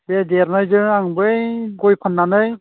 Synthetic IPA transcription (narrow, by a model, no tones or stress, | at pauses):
bedeɾnajzɯɾaŋbɯjɡɔjpʰanːanɯj